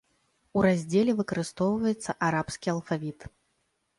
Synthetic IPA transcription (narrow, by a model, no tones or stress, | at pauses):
uɾazʲd͡zʲelʲɛvɨkɐɾɨst̪ɔwvɐjɛt̪sːɐʔaɾapskʲiɐlˠfavʲit̪